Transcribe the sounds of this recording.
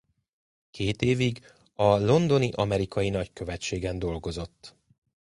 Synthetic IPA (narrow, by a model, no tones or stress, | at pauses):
kʰeːt̪eːviɡ | ɒlo̞nd̪o̞niʔɒmɛɾikʰɒjinɒckø̞vɛtt͡ʃːeːɡɛnd̪o̞lɡo̞zo̞t̪ː